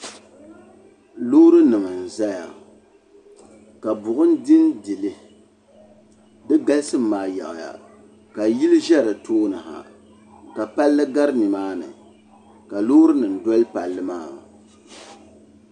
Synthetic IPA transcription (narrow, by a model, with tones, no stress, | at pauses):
lo˦ɾɨ˦nɨ˨mɨ˨n̩˨za˦ja̰˨ | ka˨bʊ˨ʔʊ˦n˦dɪ˦ndi˨lɨ˦ | dɨ˦ɡa˦lsɨ˦m̩ː˦aː˨ja̰˨ʔja̰˨ | ka˨ji˦lɨ˦ʒɛ˦ɾɨ˨tʰoː˦nɨ˨ha̰˨ | ka˨pa˦lːɨ˦ɡa˦ɾɨ˦nɨ˨maː˦nɨ̰˨ | ka˨loː˦ɾɨ˦nɨ˨n̩˨dɔ˦lpa˨lːɨ˦maː˦˨